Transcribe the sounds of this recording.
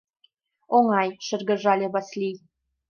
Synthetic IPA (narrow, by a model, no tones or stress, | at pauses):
oŋɑjʃɘ̆rɣə̆ʒɑlʲeβɑslʲij